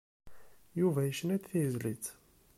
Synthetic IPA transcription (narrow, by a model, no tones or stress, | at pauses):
juvæjəʃnæt̪θijəzlit͡s